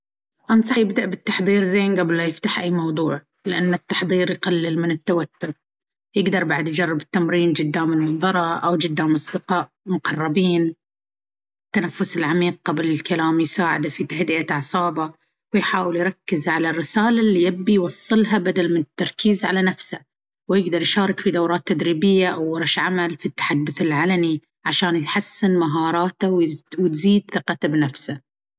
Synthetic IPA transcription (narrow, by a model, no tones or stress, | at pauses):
ʔɑnsˤɑjɪbd̪aʔbɪt̪ːɑħðˤiːɾzeːnɡablmajɪft̪aħʔajːmɑwd̪ˤuːʕ | lɪʔanːat̪ːɑħðˤiːɾjqalːɪlmɪnɪt̪ːawat̪ːʊɾ | jɪɡd̪ɑɾˤbaʕad̪jd͡ʒɑrˤːɪbɪt̪ːamɾiːnd͡ʒɪd̪ːaːmɪlmɑnðˤɑɾˤɑʔawd͡ʒɪd̪ːaːmʔɑsˤd̪ɪqɑːʔmʊqɑrˤːɑbiːn | t̪ːanafːʊsɪlʕamiːq̚qablɪlkalaːmjsaːʕɪ̰d̪afit̪ahd̪ɪʔaʕsˤɑːba | wɪjħaːwɪljɾˤɑkːɪzʕalarːɪsaːlalːijabːijwɑsˤːɨlɦabad̪almɪnɪt̪ːɑɾˤkiːzʕalanafsa | wjɪɡd̪ɑɾˤjʃɑːɾˤɪkfid̪awɾˤɑːt̪ːad̪ɾiːbɪjːaʔawːɑɾˤɑʃʕamalfit̪ːḁħad̪ːʊθɪlʕalami | ʕaʃaːnjħasːɪnmaɦɑːɾˤɑːt̪awwɪt̪ziːd̪θɨqɑt̪abnafsa